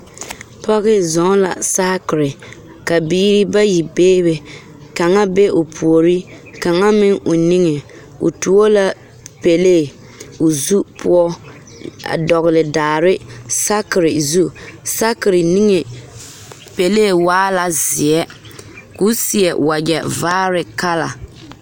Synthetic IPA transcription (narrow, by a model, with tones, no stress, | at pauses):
pɔ˦ɣɪ˦zɔ˨˦la̰˨sa˦kɪ˨ɾɪ˨ | ka˨biː˦ɾi˦ba˦ji˨beː˦be˨ | ka˨ŋa˦be˦ʔo˨pʰu˨o˨ɾi˦ka˨ŋa˦mɪ˦ŋo˨ni˦ŋe˨ | o̰˨tu˨o˦la˦ | pe˨leː˦˨ | o˨zu˦pʰʊ˦ɔ˦ | a̰˨dɔ˨ɣɪ˨lɪ˨daː˨ɾɪ˦sa˦kɪ˨ɾɪ˨zu˦˨sa˦kɪ˨ɾɪ˨ni˦ŋe˨ | pe˨leː˦˨waː˦la˨zɪ˨ɛ˦ku˦si˨ɛ˨wa˨d͡ʒɛ˨vaː˦ɾɪ˨ka˦la̰˨